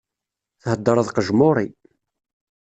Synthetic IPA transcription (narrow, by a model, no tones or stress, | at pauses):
θhəd̪ːəɾˤɑðˤqəʒmʊɾˤi